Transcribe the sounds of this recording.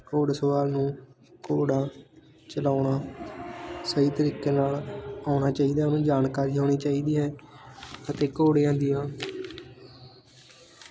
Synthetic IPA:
koːɽsəʋaːlnũː | koːɽaː | t͡ʃəlaːʊɳaː | səiːt̪əɾiːkeːnaːlaːʊɳaːt͡ʃaːiːd̪aːnũːd͡ʒaːnkaːɾiːɦoːɽ̃iːt͡ʃaːiːd̪iːɦɛː | ət̪eːkoːɽejãːd̪ɪjãː

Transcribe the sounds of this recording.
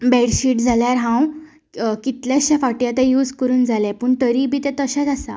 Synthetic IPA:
bɛɽɕiːʈd͡zʱaljaɾɦãw | kit̪ljaɕafaʈjat̪ɛ̃juːd͡zkəɾuːnd͡zʱalɛpəːɳʈəɾibiːt̪ɛ̃t̪əɕãt͡sasa̰

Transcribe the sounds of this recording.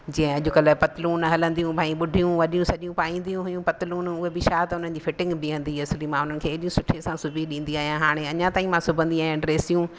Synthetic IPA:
d͡ʑĩɦẽɐʄʊkɐlpɐt̪ɪluːnɦɐlə̃nd̪ijũbʱãːĩɓʊɖʱijũʋɐɗijũsɐʄijũpaːĩːn̆d̪ijũɦʊjũpɐt̪ɪluːnʊɦebɪʃaːt̪ʊn̤ənɪ̆d͡ʑiːfɪʈɪ̃ŋɡbɪɦɐ̃nd̪iɐslimãːʊn̤ənɪ̆kʰeːɗijũsʊʈʰesãsʊbʱiɗĩːn̆d̪iaːɦijãɦaːɽ̃eɐɲãt̪aːĩmãsʊbʱə̃nd̪iaːɦijãɖɾeːsijũ

